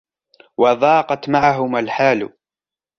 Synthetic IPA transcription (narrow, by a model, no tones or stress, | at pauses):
wɑðˤɑːqɑt̪maʕaɦʊmalħaːl̰